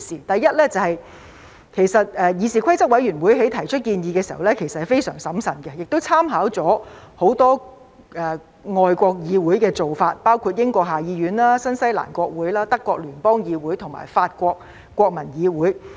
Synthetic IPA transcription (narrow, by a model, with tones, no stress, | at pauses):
siː˨t̪ɐ˨jːɐ˥t̚lɛː˥t͡sɐ˨˧hɐ˨j | kʰe˨˩jsɐ˨t̚ɛ˨˧jiː˨˧siː˨kʷʰɐ˥jt͡sɐ˥k̚wɐ˨˥jɥyː˨˩nwu˨˥jɦe˨˥jt̪ʰɐ˨˩jt͡ʃʰɵ˥t̚kiː˧njiː˧kɛː˧si˨˩hɐ˨˩wlɛː˥kʰe˨˩jsɐ˨thjfe˥jsœː˨˩ŋsɐ˨˥msɐ˨˩nkɛ˧jɪ˨k̚t̪o˥wt͡sʰaː˥mɦaː˨˥wt͡sɔː˨˥ | ho˨˥wt̪ɔː˥ | ʔɛː˨˩ | ŋɔː˨˧jkʷɔː˧k̚jiː˨˧wuː˨˥jkɛː˧t͡so˨wfaː˧t̚paː˥wkʰu˧t̚jɪ˥ŋkʷɔː˧k̚ɦaː˨jiː˨˧ɥyː˨˥nlaː˥sɐ˥nsɐ˥jla̰ː˨˩nkʷɔː˧k̚wuː˨˥jlaː˥t̪ɐ˥kːʷɔː˧k̚lyː˨˩npɔː˥ŋjiː˨˧wuː˨˥jt̪ʰʊ˨˩ŋma̰ː˨˩jfaː˧t̚kʷɔː˧k̚ | kʷːɔː˧k̚mɐ˨˩njiː˨˧wuː˨˥j